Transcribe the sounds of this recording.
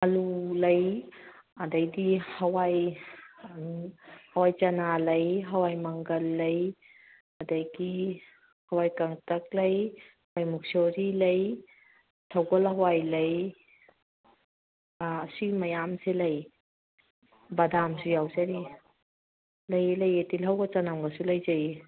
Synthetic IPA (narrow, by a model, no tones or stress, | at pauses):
ɐlulɐj | ɐdɐjdihɐwaj | hɐwajt͡ʃɐnalɐjɦɐwajmɐŋɡɐlːɐj | ɐdɐjɡi | hɐwajkɐŋtɐk̚lɐjhwajmuk̚soɾilɐj | tʰɐwɡɐlhɐwajlɐj | ɐsimɐjamselɐj | bɐdamsujawzaɾi | lɐjelɐjetilɦɐwɡɐt͡ʃɐnamɡɐsulɐjzɐj